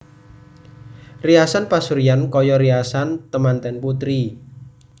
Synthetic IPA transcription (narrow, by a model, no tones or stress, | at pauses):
riasanpasuɾijankɔjɔɾiasant̪əmant̪ɛnput̪ɾi